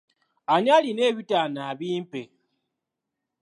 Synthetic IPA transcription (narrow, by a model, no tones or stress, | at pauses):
aɲaline̞βitanaːβiːmpe